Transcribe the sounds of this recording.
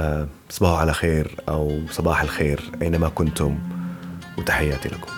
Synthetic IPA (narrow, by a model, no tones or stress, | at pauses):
sˤbaːhʕalaxeːɾʔawsˤɑbɑːħalxeːɾʔajnamakʊnt̪ʊm | wɪt̪ḁħajːaːt̪ilʔakʊ̥m